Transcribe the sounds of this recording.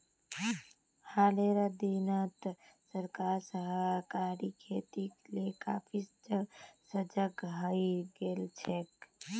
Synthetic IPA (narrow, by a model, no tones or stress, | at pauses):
haleɾəd̪inət̪səɾkaɾsəɦkaɾikʰet̪ikleka̰pʰisd͡ʒəsəd͡ʒəɡɦəjɡelt͡ʃʰek